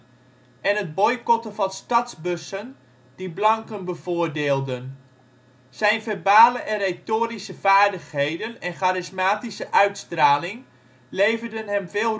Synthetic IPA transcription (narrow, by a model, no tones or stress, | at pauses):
ʔɛnɦəd̚bɔjkɔtəvɑnstɑtzbɵsən | d̥iblɑŋkənbəvʊːɹdeːlˠdən | z̥ɛjnvɛɹbaːləʔɛnrej̚toːɾisəv̥aːɹdəχɦejdənɛnχaːɾɪsmaːtisəʔœɥtstraːlɪŋ | lejvərdənɦɛmvɪːlˠ